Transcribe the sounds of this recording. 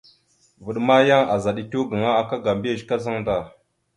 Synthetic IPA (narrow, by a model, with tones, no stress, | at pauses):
vu˨ɗma˦ja˦ŋa˨za˨ɗi˨tu˦ɡə˨ŋa˦a˨ka˦ɡa˨mbi˦i˨ʃka˦za˦ŋda˨